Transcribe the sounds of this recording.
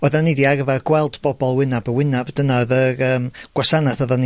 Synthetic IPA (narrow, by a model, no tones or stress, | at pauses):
ɔðanːidiarvarɡwɛlˠdb̥ɔbɔlˠwɪnabəwɪnabdənaðəɾəːmɡ̥wasanaθɔðan